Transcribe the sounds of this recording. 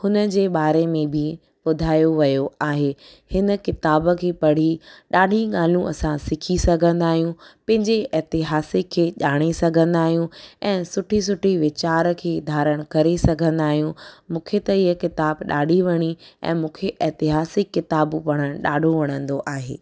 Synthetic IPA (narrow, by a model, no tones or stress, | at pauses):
hʊnə̆d͡ʑeːɓaːɾemẽbʱɪ | ɓʊd̪ʱaːjoʋɐjoaːɦeː | hɪnəkɪt̪aːbə̆kʰeːpɐɽ̤iɗaːɖʱiɠaːl̤ũʔɐsãsɪkʰisɐɡʱə̃nd̪aːɦijũpɐ̃ɦɪ̃ɲd͡ʑeɛɦt̪ɪɦaːsɪkʰːeːʄaːɽ̃esɐɡʱə̃nd̪aːɦijũɛ̃ːsʊʈʰis̬ʊʈʰiʋɪt͡ɕaːɾkʰeːd̪ʱaːɾəɽ̃kɐɾesɐɡʱə̃nd̪aːɦijũmũːkʰet̪ɐiːəkɪt̪aːbɗa̰ːɖʱiʋɐɽ̃iɛ̰̃ːmũːkʰeʔɛɦt̪ɪɦaːsɪkːɪt̪aːbpɐɽ̃əɽ̃ɗaːɖʱoʋɐɽ̃ə̃nd̪oʔaːɦḛː